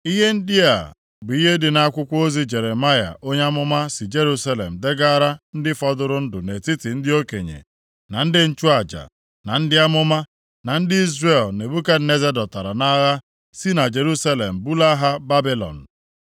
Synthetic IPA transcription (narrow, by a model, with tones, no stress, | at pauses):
i˦ɦe˦n̩˦dɪ˦a̰˨ | bʊ˨i˦ɦe˦dɪ˨na˦kʷʊ˦kʷo˦zi˦d͡ʒe˨ɾe˨ma˦ja̰˨ʔo˦ɲe˦a˦mʊ˦ma˦sɪ˨d͡ʒe˦ɾu˦sa˦lḛ˨m̩˨de˦ɡa˦ɾa˦n̩˦dɪ˦fɔ˦dʊ˨ɾʊ˦n̩˦dʊ˨ne˨ti˦tɪ˨n̩˦dɪ˦o˦ke˨ɲḛ˨ | na˨n̩˦dɪ˦n̩˦t͡ʃu˦a˨d͡ʒa̰˨ | na˨n̩˦dɪ˦a˦mʊ˦ma˦ | na˨n̩˦dɪ˦i˦zɾe˨lne˨bu˦ka˦ne˦ze˦dɔ˨ta˨ɾa˨na˦ɣa˦ | si˦na˨d͡ʒe˨ɾu˦sa˦le˨m̩˨bu˦la˦ɦa˦ba˦bi˦lɔ̰˨n̩˨